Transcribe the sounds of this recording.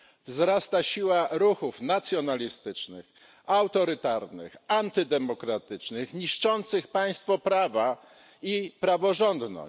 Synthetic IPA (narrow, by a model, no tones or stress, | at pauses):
vzɾast̪aɕiwaɾuxufnat̪sʲjɔnalʲist̪ɘt͡ʂnɘ̰x | awt̪ɔɾɘt̪aɾnɘ̰xant̪ɘd̪ɛmɔkɾat̪ɘt͡ʂnɘxɲiʂt͡ʂɔnt̪sɘxpaj̃st̪fɔpɾava | ipɾavɔʐɔnd̪nɔ̰